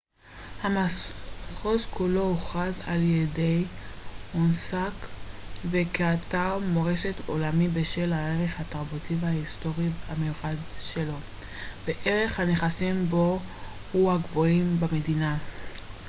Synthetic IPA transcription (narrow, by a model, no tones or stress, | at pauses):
hama | χozkulo̞uχaza̰ljede̞j | onsakve̞keataʁmo̞ʁe̞ʃeto̞̰lamibeʃe̞laeʁe̞χhataʁbutivhaisto̞ʁihamejuχadʃe̞lo̞ | beʔeʁe̞χhaneχasimbo̞ | huhaɡvoimbame̞dina